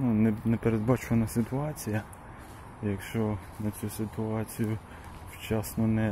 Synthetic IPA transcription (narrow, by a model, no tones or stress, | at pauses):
nunɛnɛpeɾed̪̚bɑt͡ʃʋɐnɐsɪt̪ʊɑt͡sʲijɐ | jɐkʃt͡ʃɔ | nɐt͡sʲusɪt̪ʊɑt͡sʲijʊ | wt͡ʃɑsnɔnɛ